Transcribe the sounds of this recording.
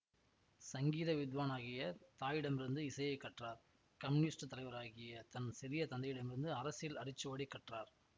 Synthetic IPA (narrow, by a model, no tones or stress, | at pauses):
sɐŋɡiːðɐʋɪd̪ʋaːnaːɣɪjɐt̪aːjɪɽɐmɪɾɯnd̪ɯɪsɐjɐɪkːɐʈraːɾ | kɐmniːsʈɯt̪ːɐlɐɪʋɐɾaːɣɪjɐt̪ɐnsɪɾɪjɐt̪ɐnd̪ɐjɪɽɐmɪɾɯnd̪ɯɐɾɐsɪlɐrɪt͡ʃːɯʋaːɽɪkːɐʈraːɾ